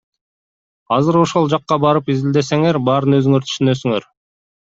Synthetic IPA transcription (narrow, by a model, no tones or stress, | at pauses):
ɑzɯɾo̞ʃo̞lˠd͡ʒɑqːɑbɑɾɯpizild̪e̞se̞ŋe̞ɾbɑɾɯnø̞zyŋøɾt̪ʰy̥ʃynøsyŋøɾ